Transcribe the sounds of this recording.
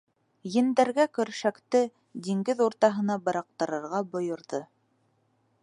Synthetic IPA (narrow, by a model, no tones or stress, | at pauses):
jɘ̆nd̪æɾɡækɵ̆ɾʃækt̪ɘ | d̪iŋɡɘðuɾt̪ɑɦɤ̆nɑbɤ̆ɾɑq̚t̪ɤ̆ɾɤ̆ɾʁɑbŏjŏɾðɤ